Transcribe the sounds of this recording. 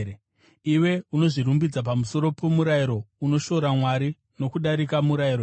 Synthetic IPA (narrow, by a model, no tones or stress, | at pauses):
iwe̞uno̞ʐirumbid͡zap̬amuso̞ɾo̞po̞muɾaiɾo̞uno̞ʃo̞ɾamwaɾi | no̞kuɗaɾikamuɾaiɾo